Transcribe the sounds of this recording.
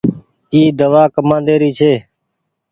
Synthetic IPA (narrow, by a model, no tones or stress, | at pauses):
iːd̪əʋaːkəmãːnd̪eːɾiːt͡ʃʰeː